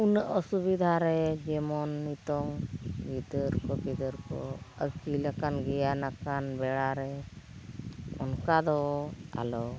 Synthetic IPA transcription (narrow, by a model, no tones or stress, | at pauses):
unəʔɔsubid̪ʱaɾɛd͡ʒɛmɔnːit̪ɔŋbid̪əɾkɔbid̪əɾkɔəkilakanɡɛjanakanbɛɽaɾɛ | ɔnkad̪ɔa̰lɔ